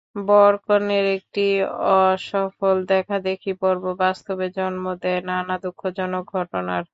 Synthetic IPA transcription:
bɔɾkoneɾek̚ʈiɔʃɔfold̪ɛkʰad̪ekʰipɔɾbobast̪obed͡ʑɔnmod̪ɛenanad̪ukʰːod͡ʑɔnok̚ɡʱɔʈonaɾ

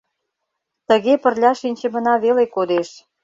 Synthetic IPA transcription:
t̪ə̆ɣepərlʲɑʃinʲt͡ɕə̆mə̆nɑβelekod̪eʃ

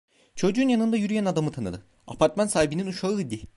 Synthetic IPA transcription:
t͡ʃʰo̞d͡ʒuːnjanɯnd̪ajyɾyjænad̪amɯt̪ʰanɯ̰d̪ɯ | a̰pʰaɾt̪mansaːɦibininuʃaɯd̪i

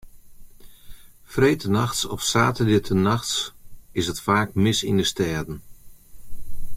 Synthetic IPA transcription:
frejtənaxsɔfsaːtədɪətʰənaxtsɪsətfaːkmɪsḭndəstɛːdən̩

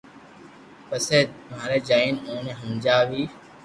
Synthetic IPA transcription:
pəseːmaːɾeːd͡ʒaːiːnõːnẽːɦəmd͡ʒaːʋiː

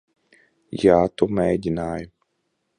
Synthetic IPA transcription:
jaːt̪ɔmɛd̪ʲinaːjʊ

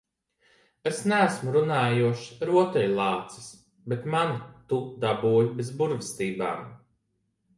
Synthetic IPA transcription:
esnæːsmuɾunaːjuɔʃɾuɔt̪ɛjlˠɑːt̪si̥s | bet̪mant̪ud̪abuːjbezbuɾvist̪iːba̰ːm

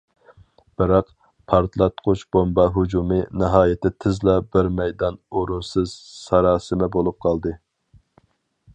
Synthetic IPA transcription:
b̥ɪɾɑq | pʰɑɾt̪ʰlˠɛt̪qʰot͡ʃb̥ombɑɦud͡ʒumɨnɪɦɑːjɪt̪ɪt̪ʰɪzlɑbɪɾmɛjd̪ɑnoɾunsɨz̥sɑɾɑːsɨmɛbolˠup̚qʰɑlˠd̪ɨ

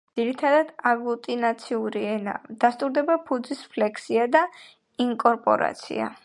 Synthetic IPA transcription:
d̪z̥iɾit̪ʰad̪ad̪̥aɡut̪ʼinat̪sʰiuɾiɛna̰d̪̥ast̪ʼuɾd̪ɛbapʰud̪zispʰlɛkʰsiad̪a | iŋkʼɔɾpʼɔ̰ɾa̰t̪sʰḭa̰

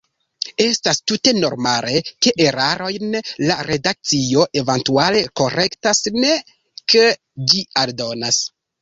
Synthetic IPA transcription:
e̞stastute̞no̞̰ɾmale̞ke̞ʔeɾaɾo̞jnlaɾe̞dak̚t͡sio̞ʔe̞vantuale̞ko̞ɾe̞ktasne̞ | ke | d͡ʒialdo̞nas

